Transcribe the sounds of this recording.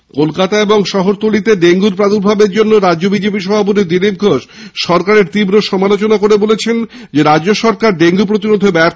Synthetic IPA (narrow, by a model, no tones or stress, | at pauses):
kolkat̪aeboŋʃɔɦoɾt̪olit̪eɖeŋɡuɾpɾad̪uɾbʱabeɾd͡ʑonːoɾad͡ʑʑobid͡ʑepiʃ̬ɔbʱap̬ot̪̬id̪ilip̚ɡʱoʃ | ʃɔɾkaɾeɾt̪ibɾoʃɔmalot͡ɕonakoɾebolet͡ɕʰen | d͡ʑeɾad͡ʑd͡ʑoʃɔɾkaɾɖeŋɡup̬ɾot̪iɾod̪ʱebɛɾ